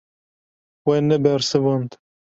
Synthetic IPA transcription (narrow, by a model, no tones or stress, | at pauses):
wɛnɛbɛɾsɨvɔnt̪